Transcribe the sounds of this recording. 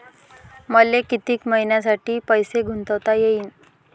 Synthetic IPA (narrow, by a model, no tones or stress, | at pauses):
məlekit̪iːkməɦinjas̬aʈiːpəjseɡʱunt̪əʋt̪ajeiːn